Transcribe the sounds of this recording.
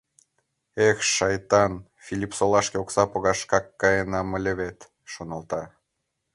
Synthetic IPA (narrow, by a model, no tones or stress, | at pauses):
exʃɑjt̪ɑn | fʲilʲipsolɑʃkeoksɑpoɣɑʃkɑkːɑjenɑməlʲeβet̪ | ʃonəlt̪ɑ